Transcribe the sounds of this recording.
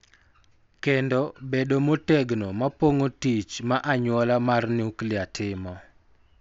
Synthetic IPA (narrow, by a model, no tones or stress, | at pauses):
kendɔbedomotɛɡnomapoŋotit͡ʃmaʔaɲwɔlamarnuklɪatʰɪmɔ